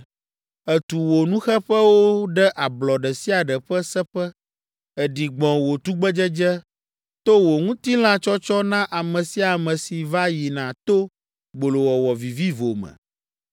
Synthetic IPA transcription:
ɛ˨t̪u˨wo˨nũ˦xɛ˦ɸɛ˦wo˦ɖɛ˦ʔa˨blɔ˨ɖɛ˨si˦a˨ɖɛ˨ɸɛ˦sɛ˦ɸɛ˦ | ɛ˨ɖi˨ɡ͡bɔ̃˨wo˨t̪u˦ɡ͡bɛ˦d͡ʒɛ˦d͡ʒɛ˦ | t̪o˦wo˨ŋũ˦t̪i˦l̃ã˦t͡ʃɔ˦t͡ʃɔ˦nã˦ʔa˨mɛ̃˨si˨a˨mɛ̃˨si˨va˦ji˨nã˨t̪o˦ | ɡ͡bo˨lo˨wɔ˨wɔ˨vi˨vi˦vo˨mɛ̰̃˨

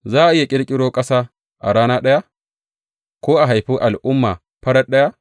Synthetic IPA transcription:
zaː˦˨ʔɪ˦ja˨kʲʼɪ˦ɽkʲʼɪ˦ɽoː˦kʼɐ˦saː˦ | ʔa̰˨ɾaː˦naː˦ɗɐ˦ja˦ | kʷoː˦ʔa˨ɦa˨jɸi˦ʔa˨lʔʊ˦mːaː˨ | ɸɐ˦ɽɐ˦ɗɐ˦ja˦

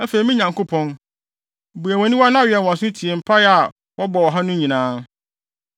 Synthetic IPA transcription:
æ˦fe˨ɾi˨˦mĩ˦ɲã˨ŋkʰʊ˦pʰɔ̃˦n˨ | bu˨æ˨wɔ̃˨nĩ˦wa˦nã˦˨ɥɛ˨n˨wɔ̃˨sʊ̃˦tʰi˨e˨m̩˨pʰa˦ja˨ | wʔɔ˦bɔ˨wɔ˨ɦa˦nʊ̃˦ɲĩ˨nãː˦

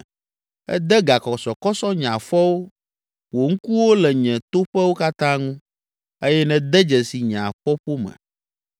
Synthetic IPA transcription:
ɛ̰˦d̪ɛ˦ɡa˨kɔ˨sɔ˨kɔ˦sɔ˦ɲã˨ɸɔ˦wo˦ | wo˨ŋ̩˦ku˦wo˦lɛ˨ɲɛ̃˨t̪o˦ɸɛ˦wo˦ka˦t̪ã˦ŋũ˦ | e˦jɛ˦nɛ̃˨d̪ɛ˦d͡ʒɛ˨si˨ɲã˨ɸɔ˦ɸo˦mɛ̰̃˨

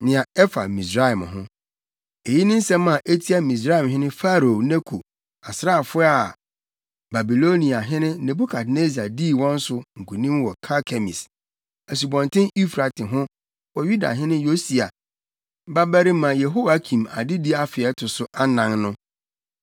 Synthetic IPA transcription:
nɪ̃˨ã˨ɛ˦fa̰˨mĩ˨s̬ɾa˦ɛ˨mɦʊ̃˦ | e˨ji˦nɪ̃˦n̩˦sɛ̃˦mã˨ʔe˦tʰi˦a˦mĩ˨s̬ɾa˦i˨mɦɪ̃˦nɪ̃˦fa˦ɾo˨nɛ˦kʰu˨ | a˨sɾa˦˨fʊ˦a˦˨ | ba˨bi˨lo˦nĩ˨a˨ɦɪ̃˦nɪ̃˦ne˨bu˦kʰa˨tne˦si˨a˨di˦˨wɔ̃˦n̩˦sʊ˨ŋ̩˨kʰu˨nĩ˦mwɔ˨kʰa˦kʰɛ˨mḭ̃˨s | ɛ˨s̬u˨bɔ̃˨ntɪ̃˦ni˦fɾa˨tʰɪ˨ɦʊ̃˦ | wɔ˨ju˦da̰˨ɦɪ̃˦nɪ̃˦jo˦si˨a̰˨ | ba˦bæ˦ɾi˦mã˨je˨ɦo˦wa˦kʰĩ˨ma˨dɪ˦di˦a˨fɪ˨ɛ˨˦tʰʊ˨sʊ˨ʔa˦nã˨ŋnʊ̃˦

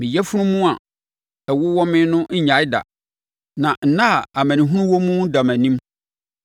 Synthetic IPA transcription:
mɪ̃˨jɛ˦fʊ˦nʊ̃˦mũ˦a˨ | ɛ˨wʊ˦wɔ˦mɪ̃˦nʊ̃˦ɲ̩˦ɲã˨˦ɪ˦da̰˨ | nã˨n̩˨nã˦˨a˨mæ̃˨nĩ˨ɦũ˦ũ˦wɔ˦mũ˦da˨mæ̃˨nĩ˦m

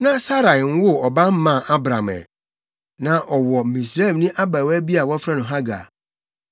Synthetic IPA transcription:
nã˦sa˦ɾa˨ŋ̩˦wʊ˦ɔ˨bã˦m̩˦mã˦˨ʔa˦bɾã˨mɛ̰˨ | nã˨ʔɔ˨wɔ˨mĩ˨s̬ɾa˦˨nĩ˦ʔa˦ba˨wæ˦bi˦a˨wɔ˦fɾã˦nʊ̃˨ɦa˦ɡa̰˨

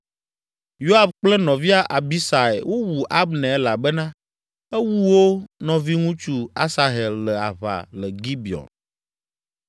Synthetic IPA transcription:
jo˦a˨fk͡plɛ˦nɔ̃˨vi˦a˦ʔa˨bi˦sa˨ḛ˨wo˦wu˨ʔa˦bnɛ̃˨ɛ˦la˨bɛ˦nã˦ | ɛ˦wu˦wo˦nɔ̃˨vi˦ŋũ˦t͡ʃu˦a˦sa˨ɦɛ˨lːɛ˨a̰˨βa̰˨lɛ˨ɡi˦bi˨ɔ̰˨n

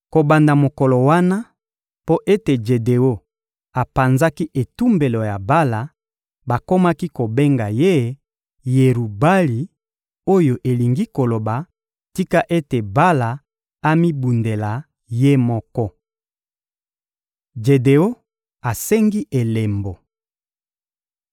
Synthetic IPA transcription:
ko˨ba˨nda˨mo˨kɔ˨lo˨wa˦na˦ | po˦ʔe˦te˨d͡ʒe˨de˨o˦ | a˨pa˨nza˦ki˦ʔe˨tu˦mbe˨lo˨ja˨ba˦la˨ | ba˨ko˦ma˦ki˦ko˨be˦ŋɡa˨je˦ | je˨ɾu˨ba˦li˨ | o˦jo˨ʔe˨li˨ŋɡi˦ko˨lo˨ba˨ | ti˦ka˦ʔe˦te˨ba˦la˨ | a˦mi˦bu˨nde˨la˨ | je˦mɔ˦kɔ˦ | d͡ʒe˨de˨o˦ | a˨se˦ŋɡi˦ʔe˨le˨mbo˨

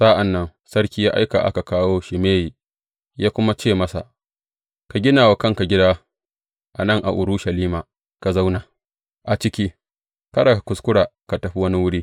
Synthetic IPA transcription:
sa˦ʔa˨nːɐ˦n | sɐ˦ɽkʲiː˦jaː˦ʔa̰˦jka̰˨ʔa̰˦ka˨kaː˦woː˦ʃɪ˨meː˦ji˨ | jaː˦kʷʊ˦ma˦t͡ʃeː˦˨mɐ˦sa̰˨ʔ | ka˨ɡʲɪ˦naː˨wa˨kɐ˦ŋka˨ɡʲɪ˦daː˦ | ʔa˨nɐ˦˨ŋʔa̰˨ʔʊ˨ɾu˦ʃɐ˨liː˦ma˨ | ka˨za˦wnaː˨ | ʔa˨t͡ʃɪ˦kʲiː˦ | kɐ˦ɽa˨ka˨kʷʊ˨skʷʊ˦ɽaː˨ka˨tɐ˨ɸi˦wɐ˦ni˦wʊ˦ɽiː˦

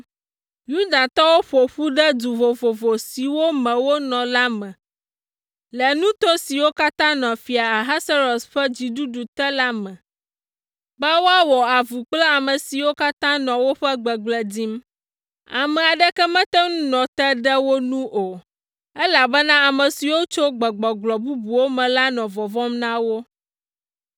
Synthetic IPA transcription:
ju˦d̪a˨t̪ɔ˦wo˦ɸo˨ɸu˦ɖɛ˦d̪u˨vo˨vo˨vo˨si˨wo˦mɛ̃˨wo˦nɔ̃˨la˦mɛ̃˨ | lɛ˨nũ˦t̪o˦si˨wo˦ka˦t̪ã˦nɔ̃˨fi˨a˨a˨ɦa˦sa˦ɾo˨sɸɛ˦d͡ʑi˨ɖu˦ɖu˨t̪ɛ˦la˦mɛ̃˨ | bɛ˦wo˦a˦wɔ˨a˨vu˨k͡plɛ˦a˨mə˨si˨wo˦ka˦t̪ã˦nɔ̃˨wo˦ɸɛ˦ɡ͡bɛ˨ɡ͡blɛ˨di˦m | a˨mɛ̃˨a˨ɖɛ˦kɛ˦mɛ̃˦t̪ɛ˦nũ˦nɔ̃˨t̪ɛ˦ɖɛ˦wo˦nũ˦ʔo˨ | ɛ˦la˨bɛ˦nã˦a˨mɛ̃˨si˨wo˦t͡ʃo˦ɡ͡bɛ˨ɡ͡bɔ˨ɡ͡blɔ˨bu˦bu˨wo˦mɛ̃˨la˦nɔ̃˨vɔ˨vɔ˦mnã˦wo˦

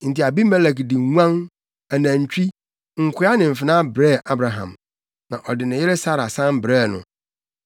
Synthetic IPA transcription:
n̩˨ti˨a˨bi˦mɛ˦lɛ˨kdi˨ŋʷã˦n | æ˨næ̃˨ɲ˨t͡ɕᶣi˦ | ŋ̩˨kʷʰʊ˦a˦nɪ̃˨m̩˨fɪ˨nã˦bɾɛ˦˨ʔa˦bɾa˨ɦã̰˨m | nã˨ʔɔ˨dɪ˨nɪ̃˨jɪ˦ɾe˦sa˦ɾa˨sã˦mbɾɛː˦˨nʊ̰̃˨

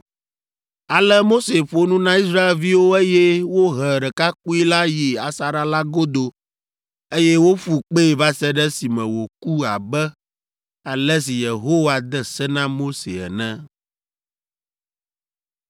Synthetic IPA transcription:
a˨lɛ˦mo˦se˨ɸo˨nũ˦nã˦i˦sɾa˦e˨lvi˦wo˦e˦jɛ˦wo˦ɦɛ˨ɖɛ˨ka˦k̚u˦i˦la˦ji˨a˨sa˨ɾa˦la˦ɡo˦d̪o˨ | e˦jɛ˦wo˦ɸu˨k͡pe˦˨va˦sɛ˦ɖɛ˦si˨mɛ̃˨wo˨ku˦a˨bɛ˦ | a˨lɛ˦s̬i˨je˨ɦo˦wa˨d̪ɛ˦sɛ˦nã˦mo˦sḛ˨ɛ̰˨nɛ̃˦

